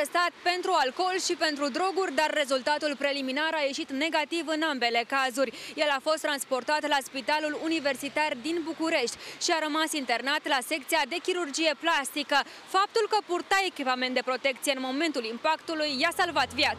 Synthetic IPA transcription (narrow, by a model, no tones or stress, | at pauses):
est̪at̪̚pe̞nt̪ɾualko̞lʃipe̞nt̪ɾud̪ɾo̞ɡurʲd̪arːe̞zult̪at̪ulpɾe̞liminaɾaje̞ʃit̪ne̞ɡat̪ivɨnambe̞le̞kazurʲje̞lafo̞st̪ɾanspo̞rt̪at̪laspit̪alulunive̞rsit̪ard̪inbukuɾe̞ʃt̪ʲʃiaɾəmasint̪e̞rnat̪lase̞kt̪sijad̪e̞kʲiɾurd͡ʒije̞plast̪ikə | fap̚t̪ulkəpurt̪ae̞kʲipame̞nt̪d̪e̞pɾo̞t̪e̞k̚t̪sije̞ɨnmo̞me̞nt̪ulimpakt̪ulujːasalvat̪vjat̪